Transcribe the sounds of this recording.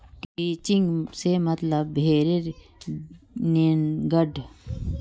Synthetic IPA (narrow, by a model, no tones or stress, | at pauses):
kit͡ʃiŋɡsemɐt̪lɐbbʱeːɾeɾ | neːnɡɐɖʱ